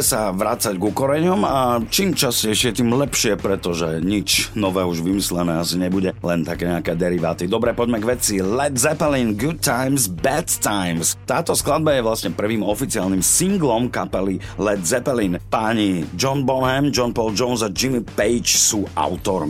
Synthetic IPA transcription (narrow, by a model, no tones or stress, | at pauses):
ɛsaʋɾat͡saɟɡukɔɾɛɲɔmat͡ʃiːmt͡ʃascɛɪʃɪɛt̪iːmlɛpʃɪɛpɾɛt̪ɔʒɛɲit͡ʃnɔʋɛːuʒʋimislɛnɛːasiɲɛbuɟɛlɛnt̪akɛːɲɛakɛːd̪ɛɾiʋa̰ːt̪id̪ɔbɾɛpɔɟmɛɡʋɛt͡silɛd̪zɛpɛlinɡut̪t̪ːajmzbɛt̪t̪ajmst̪aːt̪ɔsklad̪̚bajɛʋlasɲɛpr̩ʋiːmɔfit͡siaːlnimsiŋɡlɔmkapɛlilɛd̪zɛpɛlinpaɲid͡ʒɔnbɔnɦɛmd͡ʒɔnpɔld͡ʒɔnzad͡ʒimipɛjt͡ʃsuːʔa̰ʊt̪ɔɾm